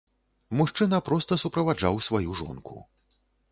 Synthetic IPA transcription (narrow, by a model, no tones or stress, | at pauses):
muʂt͡ʂɨnɐpɾɔst̪ɐsupɾɐvad͡ʐa̰wsvajuʐɔ̰nkʰṵ